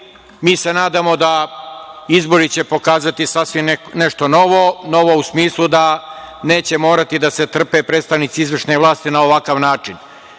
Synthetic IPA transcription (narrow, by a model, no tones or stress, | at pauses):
miːse̞naːd̪amo̞d̪a | izbo̞ɾit͡ɕe̞po̞kaːzat̪isasʋimneʃt̪o̞no̞ʋo̞no̞ʋo̞usmiːslˠud̪ane̞ːt͡ɕe̞mo̞ːɾat̪id̪ase̞t̪r̩pe̞pɾet̪st̪aʋnit̪siizʋr̩ʃneʋlˠaːst̪inaoʋakaʋnaːt͡ʂin